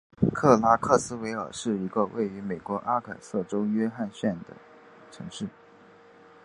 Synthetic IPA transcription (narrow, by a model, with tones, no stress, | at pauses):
kʰɤ˥˩la˥kʰɤ˥˩sɹ̩˥we˧˥ɪə̰˞˨˩ʂɻ̩˥˩i˧˥ɡə˧wʔḛ˥˩ɪy˧˥me˨˩ɪkwɔ˧˥ʔa˥kʰə˨˩sɤ˥˩ʈ͡ʂo˥ʊɥɛ˥xa˥˧nɕɥɛ˥˩nd̪ə̰˩ | ʈ͡ʂʰɤ˧˥ŋʂɻ̩˥˩